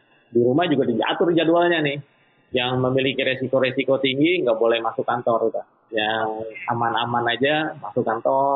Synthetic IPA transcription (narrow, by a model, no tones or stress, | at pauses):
diɾumahd͡ʒuɡadiia̰t̪ʊrd͡ʒadualɲanɪh | jaŋməmilikiɾesikoɾesikot̪iŋɡiŋɡaʔbolɛhmasʊkant̪ɔrt̪a | jaŋamanamanad͡ʒamasʊkant̪ɔ